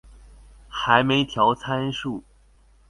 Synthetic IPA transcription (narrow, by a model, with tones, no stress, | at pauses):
xa˧˥ɪme˧˥ɪt̪ʰjɑ˧˥ʊt͡sʰa˥nʂu˥˩